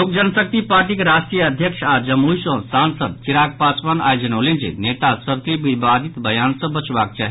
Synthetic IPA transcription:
lok̚d͡ʒənsək̚t̪ipaɾʈikeɾasʈɾijəəd̪ʱjəkʃad͡ʒəmujsõsansəd̪̚t͡ʃiɾak̚pat͡ʃʋana̰ːjod͡ʒənolend͡ʒḛnet̪asəɾkebibad̪ʱit̪bəjansə̃bət͡ʃbak̚t͡ʃaːɦi

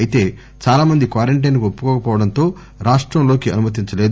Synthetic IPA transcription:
jit̪e̞ː | t͡ʃaːlaːmɐnd̪ikʋaːɾeɳʈ̬ɐjnkuopːu̥kɔːkɐpɔːʋɐɽɐnt̪o̞ː | ɾaːʂʈɾɐmlo̞ːkiɐnumɐt̪̬iɲt͡ʃɐleːd̪

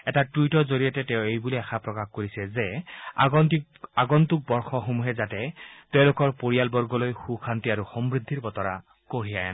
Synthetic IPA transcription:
ɛtatujtɔzoɹijatɛtɛʊ̃ejbuliaxʰapɹɔkaxkoɹisɛzɛɔni | aɡɔntuk̚bɔɹxɔxomuɦɛzatɛtɛʊ̃lokɔɹpoɹijalbɔɹɡɔlojxuxʰantiaɹuxɔmbɹid̪ʱːiɹbɔtɔɹa̰ | koɹiaja̰n

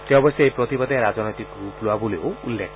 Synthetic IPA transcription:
t̪eɔ̃bɔseejpɾɔt̪ibɔd̪jaɾad͡zɔnɔjt̪ikɡɾuploabuleoulːek

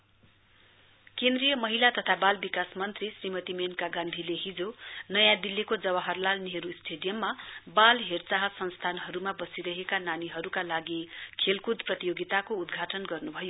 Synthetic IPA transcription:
kẽnd̪rijʌmʌɦilat̪ʌt̪ʰabalbikasmʌnt̪risrimʌt̪imenkaɡãnd̪ʱileɦid͡zonʌjãd̪ilːikod͡zʌβaɦʌrlalniɦʌɾusʈʰeɖijʌmːabalɦert͡saɦʌsʌnst̪ʰanɦʌɾumabʌsiɾʌɦekananiɦʌɾukalaɡikʰelkud̪prʌt̪ijoɡit̪akoud̪ɡʱaʈʌnɡʌrnubʱʌjo

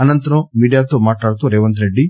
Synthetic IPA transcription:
ɐnɐnt̪ɐɾɐ̃miːɖijaːt̪oːmaːʈɭaːɽt̪uɾeːʋɐnt̪ɾeɖːi

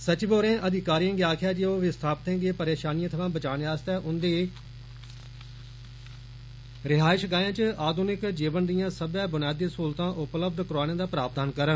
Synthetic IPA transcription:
sət͡ʃboːɾẽːʔəd̪ʱɪkaːɾijãːɡeaːkʰjaːd͡ʒeoːʋɪst̪ʰaːpt̪ẽːɡeːpəɾeːʃaːnijãːt̪ʰəʋãːbət͡ʃaːnːaːst̪ɛːʔʊnd̪eː | ɾɪɦaːɪʃɡaːjãːt͡ʃəaːd̪ʱuːnɪkd͡ʒiːʋənd̪ɪijãːsəbɛːbʊnjaːd̪ːeːsuːlt̪ãːʔʊpləb̚d̪kʊɾaːnẽːd̪aːpɾaːp̚t̪aːnkəɾən

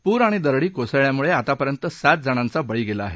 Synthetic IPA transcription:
puːɾaɽ̃id̪əɾɽiːkosəɭjamuɭeat̪apəɾjənt̪əsat̪̚d͡zəɽ̃ãnt͡sabəɭiːɡelaːɦe

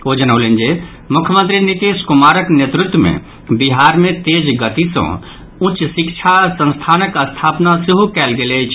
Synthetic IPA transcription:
oːd͡ʒənəlend͡ʒe | mʊkʰjəmə̃nt̪ɾinit̪eːskʊmaːɾəknjet̪ɾɪt̪wəmḛ̃ | biɦaːɾmẽt̪eːd͡ʒɡət̪isɐ̰̃ | ʊ̃t͡ʃsɪkt͡ʃʰasə̃nst̪ʰaːnəkəst̪ʰaːpnaseɦukɛːlɡelet͡ʃʰ

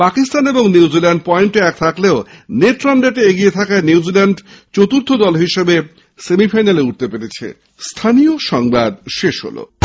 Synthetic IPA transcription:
pakist̪aneboŋniwzilɛɳɖ̚pɔeɳʈeɛk̚t̪ʰakleoneɾʈɾanɖeʈeeɡijet̪ʰakaeniwzilɛɳɖt͡ɕot̪uɾt̪ʰod̪ɔlɦiʃebe | semifajnaleuʈ̚t̪epeɾet͡ɕʰḛ | st̪ʰanijoʃɔŋbad̪ʃeʃɦo̰lo̰

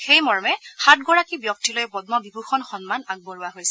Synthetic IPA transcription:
xejmɔɹmɛxatɡɔɹakibjɔk̚tilojbɔdmɔbibʱuxɔnxɔnmanaɡ̚bɔɹuaɦojsɛ̥

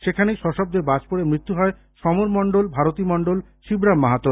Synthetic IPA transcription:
ʃekʰanejʃɔʃɔb̚d̪eɾbad͡ʑpoɽemɾit̪ːuɦɔe | ʃɔmoɾmɔɳɖolbʱaɾot̪imɔɳɖolʃibɾamːaɦat̪ːoɾ

